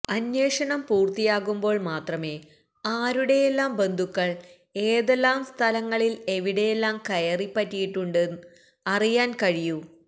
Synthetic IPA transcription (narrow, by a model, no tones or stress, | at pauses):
ɐnːjeːʂɐɳɐmpuːrt̪ijaːɣumbo̞ːɭmaːt̪rɐme̞ː | aːɾuɽe̞jelːaːmbe̞nd̪ʱukːɐɭ | eːðelːaːmst̪ʰɐlɐŋːɐɭile̞ʋiɽe̞jelːaːmkɐjɐripːɐtːijiʈːuɳɖɨ | ɐrijaːnkɐɻiju